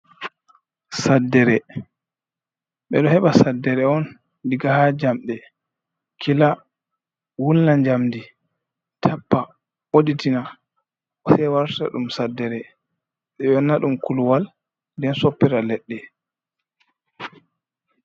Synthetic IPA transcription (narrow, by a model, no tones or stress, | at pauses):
sadːɛɾɛ | ɓɛ̰ɗɔhɛɓasadːɛɾɛɔn | diɡahad͡ʒamɗɛ | kʰila | wulnaɲd͡ʒamdi | tʰapːa | ɓoditina | ɔsɛjwaɾta̰ɗumsadːɛɾɛ | ɓɛjɔnːaɗumkulwal | ndɛnsopːɛɾalɛɗːɛ